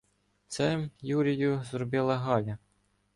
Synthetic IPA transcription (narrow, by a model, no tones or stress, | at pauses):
t̪sɛjuɾʲijʊzɾɔbɪlˠɐɦɑlʲɐ